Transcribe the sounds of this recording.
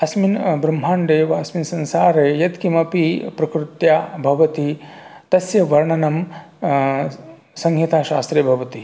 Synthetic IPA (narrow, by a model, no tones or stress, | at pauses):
ɐsminbɾɐm̤ɦaːɳɖ̪eːʋɐɐsminsɐ̃nsaːɾeːjɐt̪kimɐpipɾɐkɾɪt̪jaːbʱɐʋɐt̪it̪ɐsjɐʋɐɾɳɐnɐm | sɐŋɦit̪ʰaːʃaːst̪ɾeːbʱɐʋɐt̪i